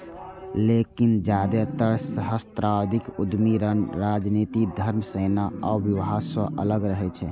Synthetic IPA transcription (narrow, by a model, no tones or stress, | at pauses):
lekind͡ʒad̪ɛt̪əɾsəɦəst̪ɾawd̪ʱikud̪miɾɾad͡ʒnit̪id̪ʱəɾmsenaa̰biʋɦasəʔə̰ləɡɾəɦɛt͡ʃʰɛ